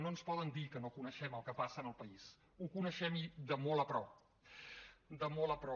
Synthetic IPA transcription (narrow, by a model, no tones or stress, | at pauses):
noənspɔðənd̪ikənokunəʃɛməlˠkəpasəːnəlˠpəis | ukunəʃɛmid̪əmolˠəpɾɔp | d̪əmolˠəpɾɔ